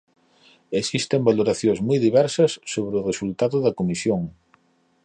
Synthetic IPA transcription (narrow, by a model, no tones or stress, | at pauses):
esist̪embaloɾaθjozmujðiβɛɾsɐsːoβ̞ɾɪʊresult̪aðʊðɐkomisjoŋ